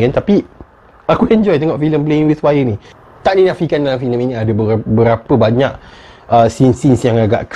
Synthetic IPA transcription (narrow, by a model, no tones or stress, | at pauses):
ant̪api | akuɛɲd͡ʒɔjt̪eŋɔʔfiləmpleiŋwiθwajəni | t̪aʔdinãfikandalamfiləminiadəbəbəɾapəbaɲaʔəsinsinsjaŋaɡa̰ʔk